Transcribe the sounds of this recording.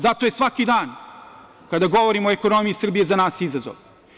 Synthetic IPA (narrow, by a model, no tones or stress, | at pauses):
zat̪ojesʋakid̪aːn | kad̪aɡo̞ʋo̞ɾimoeko̞no̞mijisr̩bije̞zanaːsizazo̰ʋ